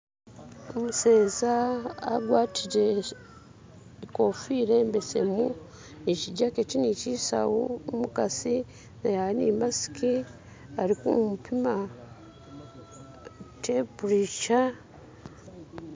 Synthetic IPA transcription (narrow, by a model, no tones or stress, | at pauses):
omuseːza̰ːɡwaːtʰiɟe | ko̞fiɾe̞mbese̞̰mu | eciɟakecinicisa̰womukasi | najanḭmasi̥ki | aɾikṵmupʰima | tepuɾiʃa